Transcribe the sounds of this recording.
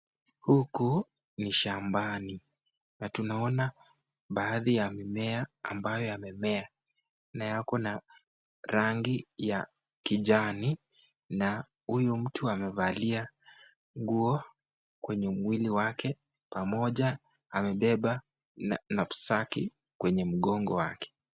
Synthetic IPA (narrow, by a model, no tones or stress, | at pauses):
huku | niʃambani | natunaɔna | ɓaːðijamɛmɛaa̰mbajɔamɛmɛa | najakɔna | ɾaŋɡija | kiʄani | na | hujum̩tuamɛvalia | ŋɡuɔ | kwɛɲɛmwiliwakʰɛ | pamɔʄa | amɛɓɛɓa | napu̥saki | kwɛɲɛm̩ɠɔŋɡɔwa̰kɛ̥